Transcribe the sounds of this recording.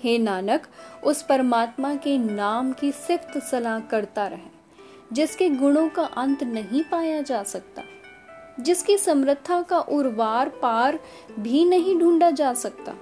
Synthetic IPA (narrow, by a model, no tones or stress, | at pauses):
heːnaːnəkʊspɐɾmaːt̪makenaːmkisɪkt̪sɐlaɦkɐɾt̪aɾɐɦɛː | d͡ʒɪskeɡʊɽ̃õkaʔɐ̃nt̪nɐɦĩpaːjad͡ʒaːsɐk̚t̪a̰ː | d͡ʒɪskisɐmɾɪt̪ʰːakaʔʊɾʋaːɾpaːɾ | bʱinɐɦĩɖʱũːɳɖad͡ʒaːsɐk̚t̪a̰ː